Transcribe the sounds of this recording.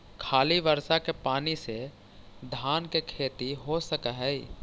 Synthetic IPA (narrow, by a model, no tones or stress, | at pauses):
kʰaːliʋəɾsakepaːnise | d̪ʱaːnkekʰeːt̪iɦosəkaɦɛi